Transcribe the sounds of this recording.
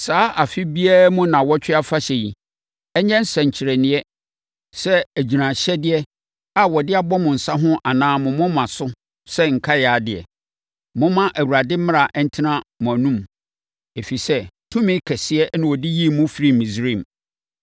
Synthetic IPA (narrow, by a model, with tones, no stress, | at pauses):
saː˦ʔa˨fɪ˦bi˦a˦ɾmũ˦nã˨wɔ˦t͡ɕᶣɪ˦a˦fa˦ɕɛ˨ji˨ | ɛ˦ɲɛ̃˦n̩˦sɛ̃˨ɲ̩˨t͡ɕʰɪ˨ɾɛ˨nɪ̃˨ɛ˦ | sɛ˦æ˨d͡ʑi˨nã˨ɕɛ˦dɪ˦ɛ˦ | a˦wɔ˨dɪ˦a˨bɔ˦mʊ̃˨n̩˨sã˦ɦʊ̃˦ʔa˨nãː˨˦mʊ̃˨mʊ̃˦mã˨sʊ˦ | sɛ˦ŋ̩˨kʰa˦ja˨dɪ˨ɛ̰˨ | mʊ̃˦mã˦ʔæ˨wu˨ɾa˨dɪ˦mɪ̃˦a˨ʔɛ˦n̩˦tʰi˦nã˦mʊ̃˨æ˨nũ˦m | e˨fi˨sɛ˦tʰũ˦mɪ̃˦kʰɛ˨sɪ˦ɛ˦nã˨wɔ˨di˦ji˦˨mʊ̃˦fi˨˦ɾi˦mĩ˨sɾĩ˦˨m